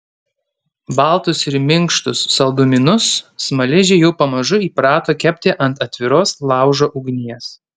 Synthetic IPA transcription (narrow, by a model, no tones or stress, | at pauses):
bɐlˠt̪ʊsɪɾmʲɪŋˑkʃt̪ʊsːɐlˠd̪ʊmʲɪnʊsːmɐlʲɪʒʲejɛʊpɐmɐʒʊiːpɾɑːt̪oːkʲɛpʲt̪ʲɪʔɐnt̪ɐt̪ʲʋʲɪɾoːslˠɑˑʊʒoːʔʊɡnʲiɛs